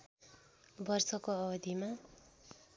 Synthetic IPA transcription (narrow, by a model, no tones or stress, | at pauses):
bʌrsʌkoʌbʌd̪ʱima